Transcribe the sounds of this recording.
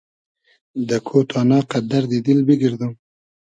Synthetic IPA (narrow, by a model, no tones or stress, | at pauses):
d̪əkʰot̪ʰɑnɑqad̪aɾd̪id̪ilbiɡɪɾd̪um